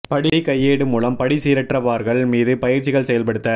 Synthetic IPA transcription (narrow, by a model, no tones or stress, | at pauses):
pɐɽɪkɐjːeːɽɯmuːlɐmpɐɽisiːɾɐʈrɐʋaːɾɣɐɭmiːðɯpɐjɪɾt͡ʃɪɣɐɭsɛjɐlpɐɽɯt̪ːɐ